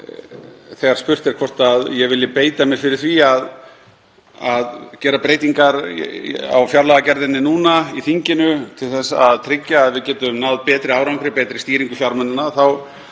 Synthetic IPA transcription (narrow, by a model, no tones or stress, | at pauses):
θɛɣaɾ̥spʏr̥t̪ɛɾ̥kʰvɔr̥t̪aðjɛɣvɪlːɪpeːjt̪amɛɾ̥fɪɾɪɾ̥θviað | aðcɛːɾapɾeːjt̪iŋkaɾ | a̰wfjaɾlaɣacɛɾðɪnːɪnuːnaiθiɲcɪnʏt̪ʰɪlθɛsːaːðt̪ʰɾɪcːaːðvɪðcɛːt̪ʏmnaðpɛːt̪ɾɪaːwɾawŋkɾɪpɛːt̪ɾɪst̪iːɾiŋkʏfjawɾmɛnɪnaθaw